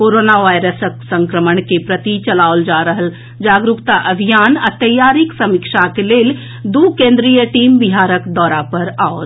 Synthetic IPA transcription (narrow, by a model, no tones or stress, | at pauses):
koɾonaʋajɾəsəksə̃ŋkɾəməɳkepɾət̪it͡ʃəlaold͡ʒaɾəɦəl | d͡ʒaːɡɾukt̪aʔəbʱijanat̪əjaɾiksəmikʃakeleːl | d̪ukẽnd̪ɾijəʈiːmbiɦaːɾəkd̪ɔːɾapəɾaot̪